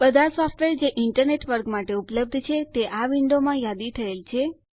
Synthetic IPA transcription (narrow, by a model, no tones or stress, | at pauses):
bəd̪ʱasɔfʈʋeɾd͡ʒeʔɪɳʈəɾneʈʋəɾɡmaʈeupləb̚d̪ʱt͡ʃʰet̪eʔaʋɪɳɖomãjad̪it̪ʰəelt͡ʃʰe